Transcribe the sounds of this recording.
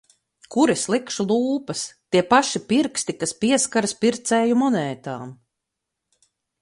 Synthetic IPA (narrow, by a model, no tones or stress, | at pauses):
kuɾislˠikʃulˠuːpɐst̪iɛpaʃipiɾkst̪ikaspiɛskaɾspiɾt̪sɛːjumɔnɛːt̪a̰ːm